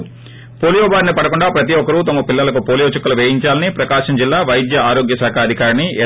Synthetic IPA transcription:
poːlijoːbaːɾnipɐɽɐkuɳɖaːpɾɐt̪̬iɔkɐɾut̪ɐmɐpilːɐlɐkupoːlijo̞ːt͡ʃukːɐluʋeːjiɲt͡ʃaːlɐnipɾɐkaːʂɐmd͡ʒilːaːʋɐjd̪jɐaːɾo̞ːɡjɐsaːkʰɐɐd̪ʱikaːɾɐniɛ

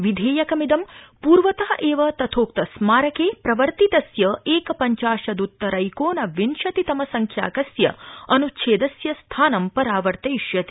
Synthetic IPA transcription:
ʋid̪ʱeːjɐkɐmid̪ɐmpuːɾʋɐt̪ɐɐʔeːʋɐt̪ɐt̪ʰoːk̚t̪ɐsmaːɾɐkeːpɾɐʋɐɾt̪it̪ɐsjɐeːkɐpɐɲt͡ʃaːʃɐd̪ut̪ːɐɾɐjkoːnɐʋinʃɐt̪it̪ɐmɐsɐŋkʰja̰ːkɐsjɐ̰ɐnut͡ʃʰeːd̪ɐsjɐst̪ʰaːnɐmpɐɾaːʋɐɾt̪ɐjʃjɐt̪i̥

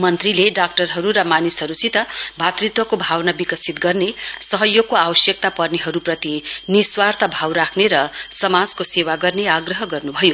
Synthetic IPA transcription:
mʌnt̪rileɖak̚ʈʌrɦʌɾuɾʌmanishʌɾut͡sit̪ʌbʱat̪rit̪wʌkobʱawnabikʌsit̪ɡʌrnesʌɦʌjːokoawʌsjʌk̚t̪apʌrneɦʌɾuprʌt̪iniswart̪ʰʌbʱawɾakʰneɾʌsʌmad͡zkosewaɡʌrneaɡrʌɦʌɡʌrnubʱʌjo

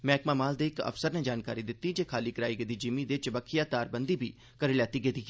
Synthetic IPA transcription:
mɛ̃ːɪkmaːmaːld̪eːɪkə̰fsəɾnɛːd͡ʒaːnkaːɾiːd̪ɪt̪ːiːd͡ʒeːkʰaːliːkɾaːiːɡed̪iːd͡ʒimiːd̪et͡ʃʋəkʰijaːt̪aːɾbənd̪iːbḭː | kəɾɪljaːt̪iːɡed̪iː

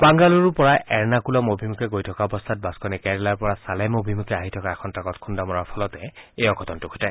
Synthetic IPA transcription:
baŋɡaluɹupɔɹaʔɛɹnakulɔmobʱimukɛɡojtʰɔkaɔbɔst̪ʰat̚baskɔnɛkɛɹɛlaɹpɔɹasalɛmobʱimukɛaɦitʰɔkaɛkʰɔntakɔtkʰundamɔɹaɹpʰɔlɔtɛejɔkʰɔtɔntʊkʰutaj

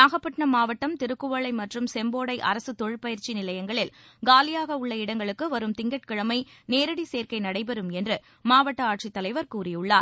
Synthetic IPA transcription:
naːɣɐpːɐʈnɐmaːʋɐʈːɐmt̪ɪɾɯkːɯʋɐɭɐɪmɐʈrɯmsɛmboːɽɐɪʔɐ̰ɾɐsɯt̪ɔɻɪpɐjɪɾt͡ʃinɪlɐjɐŋɡɐɭɪl | ɡaːlɪjaːɣɐʊɭːɐɪɽɐŋɡɐɭɯkːɯʋɐɾɯmt̪ɪŋɡɐʈ̚kɪɻɐmɐɪneːɾɯɽiseːɾkɐɪnɐɽɐɪpɛɾɯmɛndrɯ | maːʋɐʈːɐaːʈʂit̪ːɐlɐɪʋɐɾkuːrɪjɯɭːa̰ːɾ

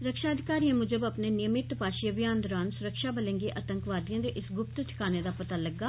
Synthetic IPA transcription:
ɾəkʃaːəd̪ʱɪkaːɾijãmʊd͡ʒəbəpneːnɪjəmɪt̪paːʃɪjəbɪjaːnd̪ɔːɾaːnsʊɾəkʃaːbəlẽːŋɡeːʔət̪ə̃ŋkʋaːd̪ijãːd̪eːʔɪsɡʊp̚t̪t͡ʃʰɪ̥kaːneːd̪aːpət̪aːləɡːaː

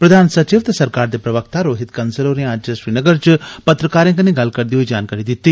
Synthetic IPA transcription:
pɾəd̪ʱaːnsət͡ʃiːʋt̪esəɾkaːɾd̪eːpɾəʋəkt̪aːɾoːɦɪt̪kənsəloːɾẽəd͡ʒʃɾiːnəɡəɾt͡ʃpət̪ɾəkaːɾẽːkənẽːɡɐlkəɾd̪iːɦoiːd͡ʒaːnkaːɾid̪ɪt̪ːiː

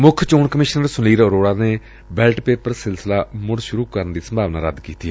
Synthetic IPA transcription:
mʊkʰt͡ʃoːɳkəmɪʃnəɾsʊliːɾoɾoːɽaːneː | bɛːlʈpeːpəɾsɪlsəlaːmʊɽʃʊɾuːkəɾənd̪iːsəmbʱaːʋna̰ːɾəd̪kiːt̪i

